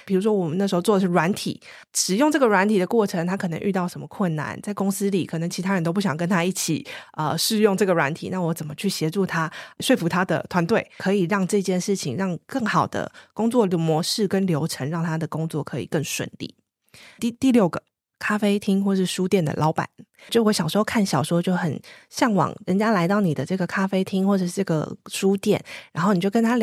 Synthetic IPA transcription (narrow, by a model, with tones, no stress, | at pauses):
pʰi˨˩ɻu˧˥ʂwɔ˥wɔ˨˩mə˨na˥˩ʂ̩˧˥xo˧t͡swɔ˥˩d̪ə˩ʂɻ̩˥˩wa˧˥nt̪ʰḭ˨˩˦ | ʂɻ̩˨˩jo˥˧ŋʈ͡ʂɤ˥˩ɡə˩ɻwa˧˥nt̪ʰi˨˩d̪ə˦kwɔ˥˩ʈ͡ʂʰə˧˥ŋt̪ʰa˥kʰɤ˨˩nə̰˧ŋʔy̰˥˧t̪ɑ˥˩ʊʂə˧˥nmə˧kʰwə˥˩nːa̰˧˩˦nt͡sa˥˩ɪko˥ŋsɹ̩˥li˨˩kʰɤ˨˩nə˧˥ŋt͡ɕʰi˧t̪ʰa˥ə˧nt̪o˥ʊp̬u˥˩ɕjɑ˨˩ŋkə˥nt̪ʰa˥i˥˩t͡ɕʰḭ˨˩ə˧ʂɻ̩˥˧jo˥˧ŋʈ͡ʂɤ˥˩ɡə˩ɻwa̰˧˦nt̪ʰḭ˨˩na˥˩wɔ˧˥t͡sə˨˩nmə˦t͡ɕʰy˥˩ɕjɛ˧˥ʈ͡ʂu˥˩t̪ʰa˥ʂwe˥˩ɪfu˧˥t̪ʰa˥d̪ə̰˨˩t̪ʰwa˧˥nt̪we˥˩ɪkʰɤ˧˥i˨˩ɻɑ˥˧ŋʈ͡ʂɤ˥˧t͡ɕjɛ˥˧nʂɻ̩˥˩t͡ɕʰi˨˩ŋɻɑ˥˧ŋkə˥˩ŋxɑ˨˩ʊd̪ə̰˦kʊ˥ŋt͡swɔ˥˩lmwɔ˧˥ʂɻ̩˥˩kə˦˥nljo˧˥ʊʈ͡ʂʰə˧˥ŋɻɑ˥˩ŋt̪ʰa˥d̪ə˨kʊ˥ŋt͡swɔ̰˥˩kʰɤ˧˥ḭ˨˩kə˥˩ŋʂwə̰˨˩nlḭ˥˩ | i˥˧t̪i˥˧ljo˥˩ʊɡə˩ | kʰa˥fe˥ɪt̪ʰi˥ŋxwɔ˥˧ʂɻ̩˥˩ʂu˥t̪jɛ˥˩nd̪ə̰˩lʔɑ˧˥ʊpa̰˨˩˦nt͡ɕo˥˩˧wɕɑ˨˩ʂ̩˧˥xo˥˧kʰa˥˩nɕjɑ˨˩ʊʂwɔ˥t͡ɕjo˥˩ʊxə˨˩nɕjɑ˥˩ŋwɑ̰˨˩˦ŋɻə˧˥nt͡ɕja˦˥la˧˥ɪt̪ɑ˥˩ʊni˨˩d̪ə˦ʈ͡ʂɤ˥˩ɡə˩kʰa˥fe˥ɪt̪ʰi˥ŋxwɔ˥˩ʈ͡ʂə˨˩ʂ̩˥˧ʈ͡ʂɤ˥˩ɡə̰˨˩ʂu˥t̪jɛ̰˥˩˨nɻa˧nxo˥˩ʊn˨˩jo˥˩kə˥nt̪ʰa˥